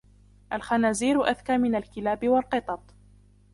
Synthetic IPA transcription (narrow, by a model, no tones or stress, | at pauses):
ʔalxanaːziːɾʊʔaðkaːmɪnalkɪlaːbɪwɑlqɨt̪ˤɑt̪ˤ